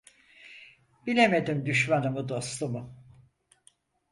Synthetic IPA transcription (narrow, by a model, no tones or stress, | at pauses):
bilʲe̞me̞d̪imd̪yʃmanɯmud̪o̞slˠumu